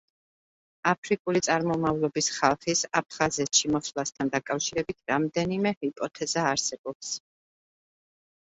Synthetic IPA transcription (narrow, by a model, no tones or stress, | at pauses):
apʰɾikʼulit̪sʼaɾmɔmavlˠɔbisχalˠχisap̚ʰχazɛt̪ʰʃimɔsvlˠast̪ʰand̪akʼafʃiɾɛbit̪ʰɾamd̪ɛnimɛhipʼɔt̪ʰɛzaːɾsɛb̥ɔps